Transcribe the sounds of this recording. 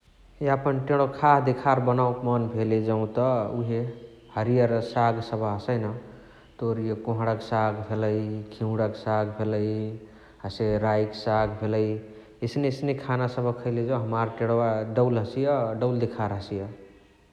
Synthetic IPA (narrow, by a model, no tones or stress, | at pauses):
eəpənʈeɽ̃okʰaɦd̪ekʰaɾbənawkmənbʱeled͡ʒəũt̪ɔuɦe | həɾijəɾsaɡsəbʱaɦəsəjnə | t̪oɾijokõɦəɽəksaɡbʱeləjkʰiũɽəksaɡʱbʱeləj | ɦəseɾajksaɡʱbʱeləj | esneesnekʰanasəbʱəkʰːəɪled͡ʒə̃ɦəmaɾʈeɽoaɖəwlɦəsijəɖəʊld̪ekʰaɾɦəsijə